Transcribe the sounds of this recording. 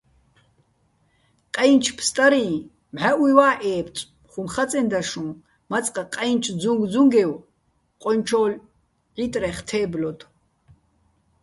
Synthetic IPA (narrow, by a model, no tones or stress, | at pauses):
qʼɛjnt͡ʃʰpʰst̪ʼaɾĩː | mʕaʔujwaːʔɛːpʰt͡sʼ | χumχat͡sʼɛnd̪aʂũ | mat͡sʼqʼaqʼɛjnt͡ʃʰd͡zũŋɡd͡zuŋɡɛw | qʼɔnt͡ʃʰɔːl | ʕit̪ʼɾɛχt̪ʰɛːblɔt̪ʰʼ